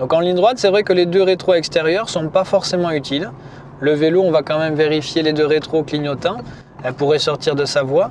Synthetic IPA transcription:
d̪ɔ̃kɑ̃lĩd̪ʁwat̪sɛvʁɛkəled̪øʁet̪χoɛkst̪eʁjœʁsɔ̃pafɔʁsemɑ̃yt̪il | ləveloɔ̃vakɑ̃mɛmveʁifjeled̪øʁet̪χokliɲɔt̪ɛ̃ | ɛlpuʁɛsɔʁt̪iʁd̪əsavwa

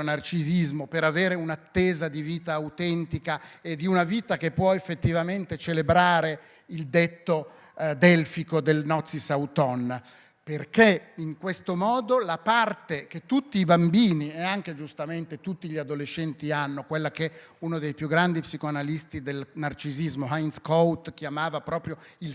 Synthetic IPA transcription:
nart͡ʃizizmopeɾaveːɾeunat̪ːeːzad̪iviːt̪aːut̪ɛnt̪ikaed̪iunaviːt̪akepːwɔefːet̪ːivament̪et͡ʃelebɾaːɾe | ild̪et̪ːo | d̪ɛlfikod̪elnɔt̪sːisawt̪ɔnːa | perkeiŋkwest̪omɔːd̪olapart̪eket̪ːut̪ːiːbambiːnieaŋked͡ʒust̪ament̪et̪ut̪ːiʎiad̪olet͡ʃːɛnt̪ianːokwelːak̟ɛunod̪ejpjuɡːɾand̪ipsikoanalist̪id̪elnart͡ʃizizmoɦajnskɔwt̪k̟jamaːvapɾɔːpɾjoil

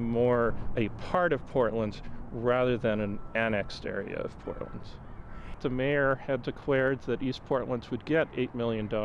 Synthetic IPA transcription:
mɔɹɨpʰɑɹɾʌv̥pʰɔɹʔˡlə̃ndz̥ɹæðə˞ðɨ̃nɨ̃næñɛkstɛ̰ɹḭɨ̰ʌ̰v̥pʰɔ̰ɹʔlə̰̃ndz̥ðɨmeɪə˞ɨddɨkʰw̥ɛɹd̪̚ðɨɾispʰɔɹʔˡlə̃ndzwɨd̚ɡɛɾḛɪt̚mɪlˠjɨ̃ndɔ

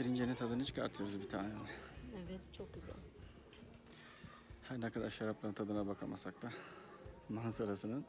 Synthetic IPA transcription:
siɾind͡ʒenint̪ʰad̪ɯnɯt͡ʃʰɯ̥kʰaɾt̪ʰɯjoɾuzbit̪ʰaːnenʲɛevɛt̪t͡ʃʰok̚ɟyzæ̰lʲ | hæɾnɛkʰad̪aɾʃaɾaplˠaɾɯnt̪ʰad̪ɯnabakʰamasak̚t̪ʰa | mansaɾasɯnɯn

